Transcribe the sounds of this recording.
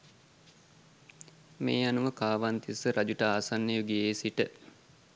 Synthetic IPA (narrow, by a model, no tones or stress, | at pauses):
meːanuʋəkaːʋant̪isəɾʔad͡ʒuʈəaːsanːejuɡieːsiʈə